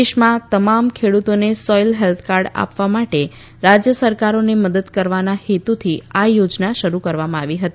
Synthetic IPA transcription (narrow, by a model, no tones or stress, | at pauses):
eʃmãt̪əmamkʰeɽut̪onesɔjlɦɛlt̪ʰkaɾɖa̰pʋamaʈe | ɾad͡ʒjəsəɾkaɾoneməd̪əd̪kəɾʋanahet̪ut̪ʰiajod͡ʒnaʃəɾukəɾʋamãaʋiɦət̪i